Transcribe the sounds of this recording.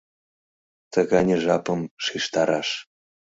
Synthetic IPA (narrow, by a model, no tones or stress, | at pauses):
t̪əɣɑnʲeʒɑpɤmʃiʃt̪ɑɾɑʃ